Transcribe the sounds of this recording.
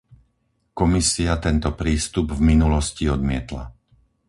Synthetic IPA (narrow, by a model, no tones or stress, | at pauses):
kɔmisiat̪ɛnt̪ɔpɾiːst̪ubvminulɔsciɔd̪mɪɛt̪la̰